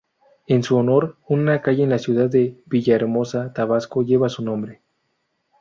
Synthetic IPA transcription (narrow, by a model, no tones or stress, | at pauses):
ensuono̞ɾunakaʝeenlasjuðaðːeβiʝaeɾmo̞sat̪aβasko̞ʝe̞βasunõ̞mbɾe